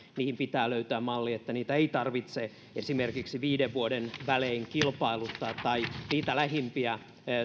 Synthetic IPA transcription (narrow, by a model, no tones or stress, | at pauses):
niːhimpit̪æːløyt̪øæːmmɑlːiet̪ːæniːt̪æeit̪ɑrʋit̪se | esimerkiksiʋiːdeʋʋuodenʋæleːŋkilpɑilut̪ːɑːt̪t̪ɑiniːt̪ælæhimpiæ